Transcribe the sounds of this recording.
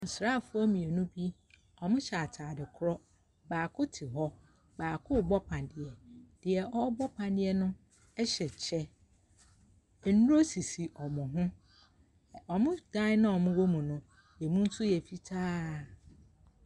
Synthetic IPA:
n̩˨sɾaː˦˨fʊ˦ɔ˦mĩ˨ɛ˨nʊ̃˦bi˦ | ɔ˨mʊ̃˦ɕɛ˨a˨tʰaː˨dɪ˨kʰʊ˦ɾɔ˦ | baː˨kʰʊ˦tʰɪ˨ɦɔ˦ | baː˨kʰʊ˦˨bɔ˦pʰã˨ndɪ˨ɛ˨d̥ɪ˨ɛ˨ʔɔ˦bɔ˦pʰã˨ndɪ˨ɛ˦nʊ̃˦ | ɛ˦ɕɛ˨t͡ɕʰɛ˦˨ | nu˦o˦si˨si˨ʔɔ˨mʊ̃˨ɦʊ̃˦ | ɔ˨mʊ̃˦d̥ã˦nã˦ɔ˨mʊ̃˦wo˦mũ˨nʊ̃˦ | jɛ˨mũ˦n̩˦sʊ˦jɛ˨fi˦tʰaː˦˨

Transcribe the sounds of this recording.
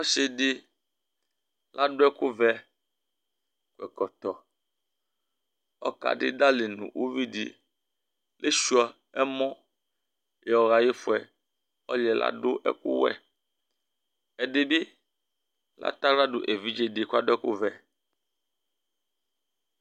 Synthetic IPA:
ɔ˦ʃe˦ɖe˦ | la˦ɖo˦ɛ˦ku˦vɛ˦ | ku˨ɛ̰˨kɔ˨t̪ɔ˨ | ɔ̰˦ka̰˨ɖɪ̰˦d̪a˦le˨nṵ̃˨wʔu˦vi˦ɖḭ˨ | le˦ʃu˦a˨ | ɛ˦mɔ̃˦ | je˨ɔ˨ɣa˨ji˦fo˨ɛ˨ | ɔ˦lɛ˨la̰˦ɖo˦ʔɛ̰˦kṵ˦wɛ̰˦˨ | ɛ˨ɖe˨bi˦ | la̰˦t̪a˦la˦ɖo˨ʔe˨vi˦d͡ʒe˨ɖi˨ku˦a˦ɖo˦ɛ˦ku˦vɛ˨

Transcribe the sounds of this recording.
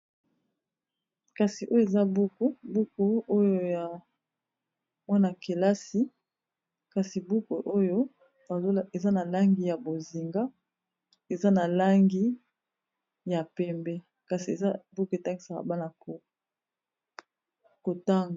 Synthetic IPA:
ka˨si˨ʔo˦jo˦e˨za˦bu˦ku˦bu˦ko˨o˦jo˦ja˨ | mwa˦na˨ke˨la˦si˦ | ka˨si˨bu˦ko˨ʔo˦jo˦ | a˨˦e˨za˦na˨la˦ŋɡi˦ja˨bo˨zi˨ŋɡa˦ | e˨za˦na˨la˦ŋɡi˦ | ja˨pɛ˦mbɛ˦ | ka˨si˨e˨a˦bu˦ku˦e˨ta˦ŋɡi˨sa˨ka̰˨ba˦na˨o˨ | ko˨ta˦ŋ˨

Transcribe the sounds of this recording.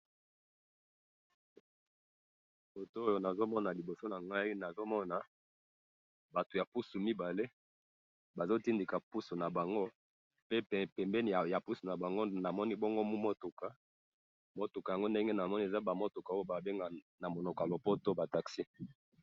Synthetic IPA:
po˨to˦o˦jo˨na˨zo˦mɔ˦na˨li˨bo˨so˦na˨ŋɡa˦i˦na˨zo˦mɔ˦na˨ | ba˨to˨ja˨pu˦su˨mi˦ba˨le˦ | ba˨zo˦ti˦ndi˨ka˨pu˦su˨na˨ba˨ŋɡo˦ | pe˦˨pɛ˨mbɛ˦ni˨ja˨pu˦su˨na˨ba˨ŋɡo˦na˨mɔ˦ni˦bɔ˦ŋɡo˦mu˦mo˦tu˨ka˨ | mo˦tu˨kja˨ŋɡo˦nde˦ŋɡe˦na˨mɔ˦ni˨e˨za˦ba˨mo˦to˨ka˨o˦jo˦ba˨be˦ŋɡa˨ | na˨mo˨no˨ka˨lo˨po˦to˦ba˨ta˨ksi˦

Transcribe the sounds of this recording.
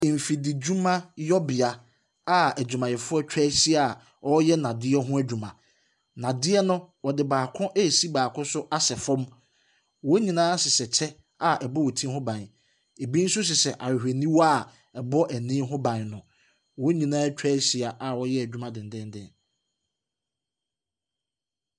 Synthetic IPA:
m̩˨fi˨dɪ˨d͡ʑu˦mã˦jɔ˦bɪ˨a˨ | a˦æ˨d͡ʑᶣu˨mã˨jɛ˨fʊ˦ɔ˦t͡ɕᶣɛː˦ɕi˦a˦˨ | ɔ˦jɛ˦nã˨dɪ˦ɛ˦ɦʊ̃˦æ˦d͡ʑᶣu˨mã˨ | nã˨dɪ˦ɛ˦nʊ̃˦wɔ˨dɪ˨baː˨kʰʊ̃˦ʔe˦˨si˦baː˨kʰʊ̃˦sʊ˦ʔa˦sɛ˨fɔ̃˦m | wɔ˦ɲĩ˨nãː˦sɪ˨sɛ˨t͡ɕʰɛ˦ | a˨ʔɛ˨bɔ˦wo˨tʰĩ˦hʊ̃˦bã˨n˨ | e˨bĩ˦n̩˦sʊ˦s̬ɪ˨sɛ˨ʔa˨wɪ˨hᶣæ˨nĩ˦wa˦˨ | ɛ˨bɔ˦ʔæ˨nɪ̃ː˦ɦʊ̃˦bã˨nnʊ̃˨ | wɔ˦ɲĩ˨nãː˦t͡ɕᶣɛː˦ɕi˨a˨ʔa˨wɔ˦jɛ˦æ˨d͡ʑᶣu˦mã˨dɪ̃˨n˨dɛ̃˦n˦dɛ̃˦˨

